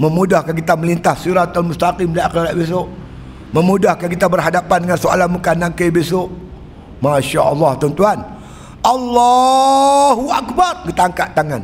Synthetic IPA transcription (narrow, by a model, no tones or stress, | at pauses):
məmudahkank̬it̪aməlint̪ahsiɾat̪almust̪aqimdajaqiɾaʔbes̬ʊʔ | məmudahkankit̪abərɦadapandəŋansoa̰lanmukanãŋkajbesʊʔ | maʃaʔɑlːɑht̪ɔnt̪uan | ʔalːɑ | ɦuʔakbarkit̪aaŋkaʔt̪aŋan